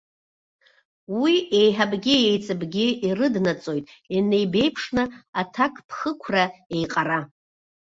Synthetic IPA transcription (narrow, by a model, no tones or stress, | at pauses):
wie̞jħabɡʲijejt͡sʼɨbɡʲɪirɨdnat͡sʼo̞jtʼinejbe̞jpʰʂnɨatʰakʼpʰχəkʷʰrae̞jqʼara